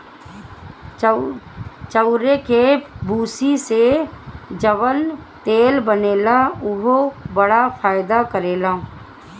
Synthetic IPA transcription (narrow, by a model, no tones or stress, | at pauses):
t͡ʃəʊɾekebuːsise | d͡ʒəʋənt̪eːlbəneːlaʊɦobəɽafʰaːɪd̪akəɾeːlãː